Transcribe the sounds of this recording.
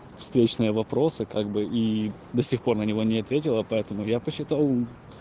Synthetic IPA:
fst̪ɾʲet͡ɕnɨjəvɐpɾo̞sɨkaɡbɨʔi | d̪ɐsʲixpo̞rnənʲɪvo̞nʲɪɐt̪vʲetʲɪlˠəpɐɛt̪əmʊjapəɕːɪt̪ɑlˠ

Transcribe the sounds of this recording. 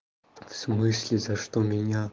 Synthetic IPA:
fsmɨsʲlʲizɐʂt̪omʲinʲa

